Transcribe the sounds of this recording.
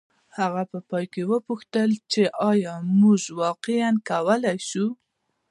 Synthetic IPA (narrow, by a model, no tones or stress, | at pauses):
haɣapəpɑjkewəpuxt̪əlt͡ʃeʔɑjɑmuʒwɑqɪankawəlajʃu